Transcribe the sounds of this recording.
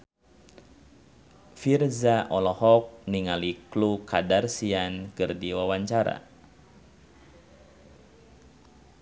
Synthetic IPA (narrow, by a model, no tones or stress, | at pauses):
firzaʔɔlɔhɔk̚niŋaliklukadarsiankɨrdiwawaɲt͡ʃaɾa̰